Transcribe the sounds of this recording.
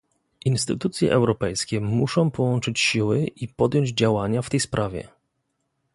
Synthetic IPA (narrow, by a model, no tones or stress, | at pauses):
inst̪ɘt̪ut̪sʲjɛ̰ʔɛwɾɔpɛjskʲɛmuʂɔ̃w̃pɔwɔnt͡ʂɘt͡ɕɕiwɘʔipɔd̪jɔɲd͡ʑd͡ʑawaɲaft̪ɛjspɾʔavʲjɛ̰